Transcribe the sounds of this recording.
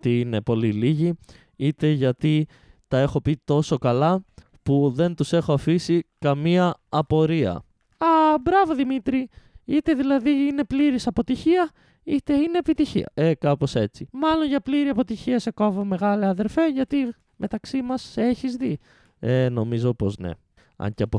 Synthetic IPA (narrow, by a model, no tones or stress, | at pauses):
t̪iine̞po̞liliʝi | it̪e̞ʝɐt̪i | t̪ɐe̞xo̞pit̪o̞so̞kɐlɐ | puðe̞nt̪use̞xoɐfisikɐmiɐːpo̞ɾiɐ̰ | ɐbɾɐvo̞ðimit̪ɾiit̪e̞ðilɐðiine̞pliɾisɐpo̞t̪içiɐ | it̪e̞ine̞ːpit̪içḭɐ̰e̞kɐpo̞se̞t͡simɐlo̞nʝɐpliɾiɐpo̞t̪içiɐse̞ko̞vome̞ɣɐleɐðe̞ɾfe̞ʝɐt̪i | mʔe̞t̪ɐksimɐse̞çizði | eno̞mizo̞po̞zne̞̰ | ɐ̰ɲceɐpo